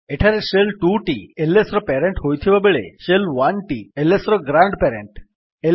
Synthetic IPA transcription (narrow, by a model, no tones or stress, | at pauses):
eʈʰaɾeʃelʈuʈielesɾɔpeɾeɳʈɦojt̪ʰiʋabeɭḛʃelʋanʈielesɾɔɡɾaɳɖpeɾḛɳʈ | e